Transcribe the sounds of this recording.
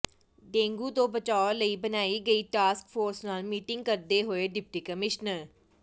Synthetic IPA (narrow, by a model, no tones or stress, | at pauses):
ɖẽːŋɡuːt̪õːbət͡ʃaːoləiːbənaːiːɡəiːʈaːskpʰoːɾsnaːlmiːʈɪ̃ŋɡ̚kəɾd̪eːɦoːeːɖɪp̚ʈiːkəmɪʃnəɾ